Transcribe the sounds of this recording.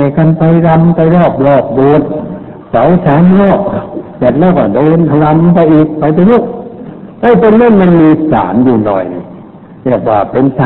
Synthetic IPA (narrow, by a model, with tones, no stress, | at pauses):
a˧˩ka˧npa˧jɾa˧mpa˧jɾɔː˥˩p̚ɾɔː˧˩p̚do˨˧ət̪̚ | sa˨˦wsaː˨˦nɾɔː˥˩p̚t͡ɕa˨˩t̪̚lɛː˦˧˩kɔː˧˩doː˧n˧ɾa˧mpa˧jʔiː˨˩k̚pa˧jt̪a˧ɲu˧˥˩k̚t̪a˦˥˨pe˧nːa˦˥˨nma˧nmiː˧sa̰ː˨˩˦njuː˨˩nɔ̰˨˩jn˧˩ | ɾi˧˩ək̚waː˧˩pe˧nsa˦